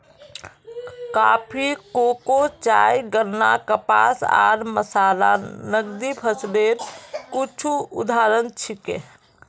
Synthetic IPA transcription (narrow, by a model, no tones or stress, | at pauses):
ka̰pʰikokot͡ʃa̰jɡəɾna̰kəpa̰sa̰ɾməsalanəɡd̪ipʰəsbeɾkit͡ʃʰuṵd̪ʱaɾənt͡ʃʰikḛ